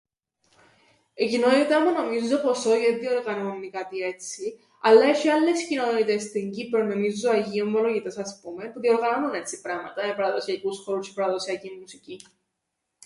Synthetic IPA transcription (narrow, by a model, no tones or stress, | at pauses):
ecinonit̪ɐmuno̞mizzo̞po̞soʝeðio̞ɾɣɐnonːikɐt̪ie̞t͡si | ɐlːɐeʃiɐlːescinonit̪est̪iɲɟipeɾnomizoɐʝiomːoloʝit̪e̞sɐspumepuðio̞ɾɣɐɐmune̞t͡sipɾɐmɐt̪ɐmepɐɾɐðo̞siɐkusxo̞ɾuscepɐɾɐðo̞siɐcimusici